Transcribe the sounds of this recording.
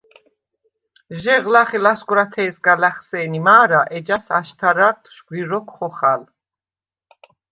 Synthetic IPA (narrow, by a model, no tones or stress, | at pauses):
ʒɛʁlaχilaskʼwɾat̪ʰɛːsɡalaχsɛːnimaːɾaʔɛd͡ʒasaʃt̪ʰaɾaɾt̪ʰʃɡwiɾɔkʰχɔχal